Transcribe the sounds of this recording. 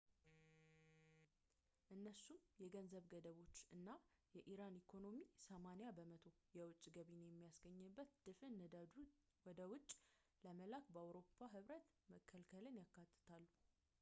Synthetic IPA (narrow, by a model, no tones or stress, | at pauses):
ʔɨnːəsumjɛɡənzəβɡəd̪əβo̞t͡ʃːʔɨnːajɛʔiɾanikʰo̞no̞misəmanijabəmət̪ʰo̞jɛwʊt͡ʃʼːɡəβinjɛmːijasɡəɲːɨbːət̪d̪̥ɨfɨn | wɔd̪əwʊt͡ʃʼː | ləməlakbəawɾo̞pʰːaɦɨβɾət̪ | məkʰːəlkʰəlɨnjakːat̪ʰːɨ̥t̪ʰalːu